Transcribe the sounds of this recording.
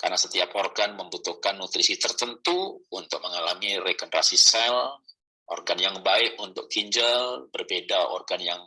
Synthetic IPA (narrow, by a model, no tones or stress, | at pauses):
ka̰rnasət̪iapɔrɡanməmbut̪uhkanːut̪ɾisit̪ərt̪ənt̪uunt̪ʊk̚məŋalamirekɔnɾa̰sisɛl | ʔɔ̰rɡanjaŋbaɪkunt̪ʊ̰kːiɲd͡ʒalbərbedaɔ̰rɡanjaŋ